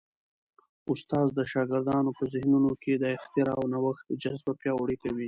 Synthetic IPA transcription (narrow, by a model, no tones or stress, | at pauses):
ʊst̪ɑːzd̪əʃɑɡɪɾd̪ɑnopəzɪhnunoked̪əɪxt̪ɪɾɑwnawaxt̪̚d͡ʒazbapjɑoɽikawi